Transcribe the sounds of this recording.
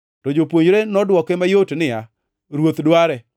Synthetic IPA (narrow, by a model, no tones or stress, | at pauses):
tɔd͡ʒopwoɲɾenɔdwɔkemajotnɪa | ɾwot̪dwaɾɛ